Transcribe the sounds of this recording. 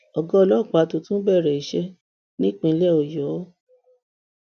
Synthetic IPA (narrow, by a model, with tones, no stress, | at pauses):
ɔ˨ɡɔ̃˦˧˨lɔ˦˨k͡pa˨˦to˧tũ˦bɛ˦˨ɾɛ˨i˨ʃɛ˧ | nĩ˦k͡pĩ˧˦lɛ˦˨o˨jɔ˨˦